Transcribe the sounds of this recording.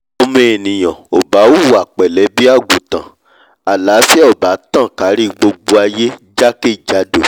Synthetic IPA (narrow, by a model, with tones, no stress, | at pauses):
o˧mẽ˦e˨nĩ˨j̃ã˨o˨ba˨˦u˦wu˨a˨k͡pɛ˨lɛ˨˦bi˦a˦˨ɡu˨tã̰˨ | a˨la˨˦fɛ˦ɔ˨ba˨˦tã˦˨ka˨˦ɾi˦ɡ͡bo˧ɡ͡bo˧a˧je˦d͡ʒa˦ke˦˨d͡ʒa˧do˨